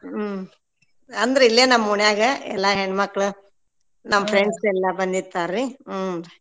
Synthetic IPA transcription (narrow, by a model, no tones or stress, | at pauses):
ɐnd̪ɐɾeilːeːnɐmːɐuɳjaːɡɐɛ̰lːaɦeɳɖmɐkːɭu | nɐmːɐpʰɾeɳɖsɛlːɐbɐnd̪it̪ːaːɾli